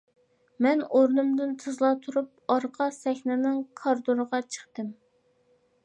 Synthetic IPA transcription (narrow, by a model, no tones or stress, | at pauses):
mɛnoɾnumd̪ɨnt̪ʰɨzlˠɑt̪ʰuɾup̚ɑɾqʰɑsɛxʲnɪnɨŋkʰɑɾd̪oɾəʁɑt͡ʃʰə̥χt̪ɨm